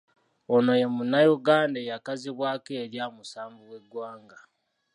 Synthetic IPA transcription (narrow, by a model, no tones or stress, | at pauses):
ono̞je̞munajuɡaːndajakaziβwaːkeːɾjaːmusaːɱvuwe̞ɡwaːŋɡa